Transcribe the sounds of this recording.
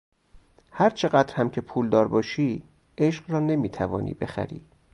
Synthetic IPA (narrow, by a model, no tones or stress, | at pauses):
hæɾt͡ʃʰe̞ɢæd̪ɾhæmcʰe̞pʰuːld̪ɒːɾbɒːʃiː | eʃɢrɒːne̞miːt̪ʰævɒ̰ːnḭːbe̞xæ̰ɾḭː